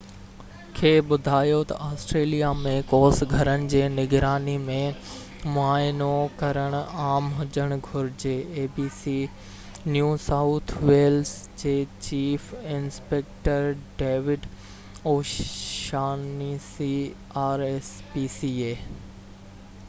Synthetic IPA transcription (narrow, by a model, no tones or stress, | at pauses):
kʰeːɓʊd̪ʱaːjot̪ɐ̰ʔaːsʈɾeːlijamẽkoːsɡʱɐɾənɪ̆d͡ʑeːnɪɡɾaːnimẽ | mʊaːɪnokɐɾəɽ̃ʊaːmɦʊd͡ʑəɽ̃ɡʱʊɾɪd͡ʑeːeːbiːsi | njuːsaʊt̪ʰʋeːls | d͡ʑeːt͡ɕiːfɪnspeːk̚ʈəɾɖeːʋɪɖ | oːʃaːnisiː | aːɾespiːsieː